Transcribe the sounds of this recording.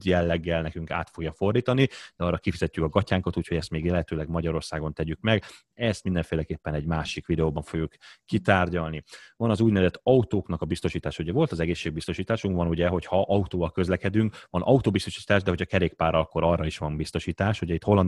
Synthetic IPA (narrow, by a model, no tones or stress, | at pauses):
jɛlːɛɡːɛlnɛkyŋka̰ːt̪fo̞ɡjɒfo̞rd̪iːt̪ɒnid̪̥ɛɒrːɒkifizɛcːykɒɡɒcaːŋkɒt̪uːcʰho̞ɟɛst̪meːɡjɛlɛɦɛt̪øːlɛɡmɒɟɒɾo̞rsaːɡo̞nt̪ɛɟykmɛɡ | ɛst̪mind̪ɛɱfeːlɛkeːpːɛnɛɟmaːʃikʋid̪ɛoːbɒɱfo̞ɡjukːit̪aːrɟɒlnivɒnɒzuːɟnɛvɛzɛt̪ːɒut̪oːknɒkɒbist̪o̞ʃiːt̪aːʃɒuɟɛvo̞lt̪ɒzɛɡeːʃːeːɡ̚bist̪o̞ʃiːt̪aːʃuŋkʋɒnuɟɛɦo̞chɒʔɒut̪oːvɒlkø̞zlɛkɛd̪yŋkʋɒnʔɒut̪oːbist̪o̞ʃi̥ːt̪aːʒd̪ɛɦo̞cʰɒkɛɾeːkpaːrɒɒkːo̞ɾɒrːɒiʃʋɒmbist̪o̞ʃiːt̪aːʃuɟɛit̪ho̞lːɒn